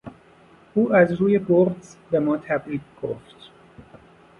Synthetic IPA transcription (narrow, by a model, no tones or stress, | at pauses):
ʔuːæzɾuːjeboːɾd̪z̥bemɒːt̪ʰæbɾiːt̪̚ɡ̥o̰ft̪